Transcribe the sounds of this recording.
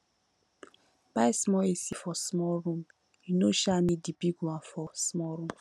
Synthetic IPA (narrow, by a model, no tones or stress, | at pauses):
b̥aismɔesifɔsmɔɾũm | inoʃanĩdibiɡwãfɔsmɔɾũm